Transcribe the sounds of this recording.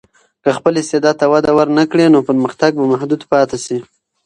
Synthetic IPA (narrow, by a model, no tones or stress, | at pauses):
kəxpəlɪst̪ed̪ɑd̪̚t̪awad̪awəɾnakɽenopəɾməxt̪aɡ̚bamahd̪ud̪pɑt̪asi